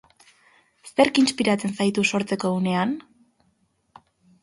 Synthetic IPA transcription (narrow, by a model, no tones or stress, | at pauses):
se̞ɾkinspiɾat͡se̞nsajt̪uso̞ɾt͡se̞ko̞une̞an